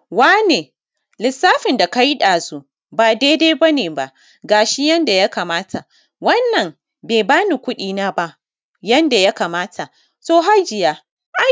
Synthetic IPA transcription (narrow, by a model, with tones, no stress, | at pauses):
waː˦neː˨ | lɪ˨sːaː˦ɸɪ˨nda˨ka˦ji˦ɗaː˨su˦ | baː˨daː˦da˦jba˦neː˨ba˦ʔ | ɡaː˨ʃi˦jɐ˦nda˨ja˦kaː˨maː˦tʰa˨ | wɐ˦nːɐ˨m | beː˨baː˦ni˨kʷʊ˦ɗiː˨naː˦ba˦ʔ | jɐ˦nda˨ja˦kaː˨maː˦tʰa˨ | soː˦ɦa˦d͡ʒɪ˨jaː˦ | ʔa˦